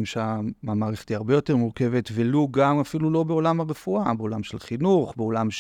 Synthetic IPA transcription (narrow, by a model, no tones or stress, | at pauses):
mʃamamaːʁeχt̪iaʁbe̞jo̞te̞ʁmuʁke̞ve̞tveluɡamafilulo̞beo̞lamaʁefuabeo̞lamʃelχinuχbeo̞lamʃ